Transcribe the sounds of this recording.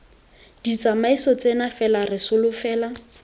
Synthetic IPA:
d̥it͡samaisɔt͡senafɛlarɪsʊlʊfɛːla

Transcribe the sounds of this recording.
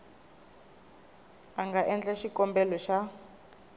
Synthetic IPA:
aŋɡaʔɛnd͡ɮɛʃikɔmbɛlɔʃa

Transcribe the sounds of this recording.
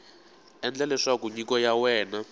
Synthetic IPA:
ɛnd͡ɮɛlɛʂakuɲikɔjawɛːna

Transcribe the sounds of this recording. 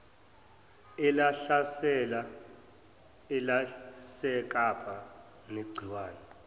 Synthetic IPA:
ɛlaɬasɛla | ɛlasɛk̬ʼapʰa | neɡ͡ǀʱiwaːnɛ

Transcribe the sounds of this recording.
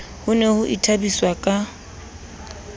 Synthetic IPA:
hʊnehʊʔitʰabiswakʼa

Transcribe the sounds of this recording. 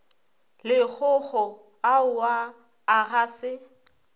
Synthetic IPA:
lɪk͡xʊɣɔ | aʊwaː | ɣaːsɪ

